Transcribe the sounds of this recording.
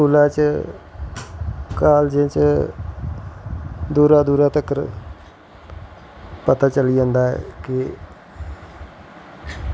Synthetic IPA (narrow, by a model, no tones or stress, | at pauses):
uːlaːt͡ʃ | kaːld͡ʒẽt͡ʃ | d̪uːɾad̪uːɾaːt̪əkəɾ | pət̪aːt͡ʃəlid͡ʒãːnd̪aːɛ̰ːkɪ